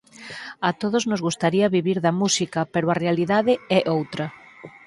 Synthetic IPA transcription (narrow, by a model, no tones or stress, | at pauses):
at̪oð̞oznozɣust̪aɾiɐβiβiɾðɐmusikɐpeɾoarealiðaðɪɛʔowt̪ɾɐ